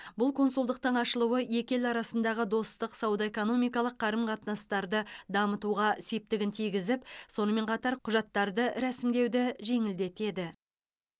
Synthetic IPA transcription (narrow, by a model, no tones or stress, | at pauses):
bʊlˠkʰo̞nsʊlˠd̪əq̚t̪əɴɑʃəlˠuwəje̞kʲe̞lɑɾɑsənd̪ɑʁəd̪o̞st̪əqsɑwd̪ɑe̞ko̞no̞mijkɑlˠəqʰːɑɾəmqʰɑt̪nɑst̪ɑɾd̪əd̪ɑmət̪uʁɑse̞p̚t̪ɪɡʲɪnt̪ʰijɡʲɪzɪpso̞nəme̞ɴqʰɑt̪ɑɾqʰʊʒɑt̪ːɑɾd̪əɾæsɪmd̪e̞wd̪ɪʒe̞ŋɪld̪e̞t̪e̞d̪ɪ